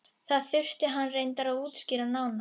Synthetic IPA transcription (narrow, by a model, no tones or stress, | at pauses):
θaðθʏr̥t̪ɪɦanːrejnt̪aɾaðuːt̪scɪːɾanaːwna